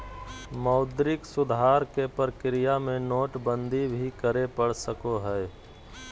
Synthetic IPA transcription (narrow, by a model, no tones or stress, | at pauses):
mɐʊd̪ɾɪksʊd̪ʱɦaːɾkepəɾkɾɪjamẽnoːʈbə̃nd̪ʱibʱikəɾepəɽ̤səkoɦɛː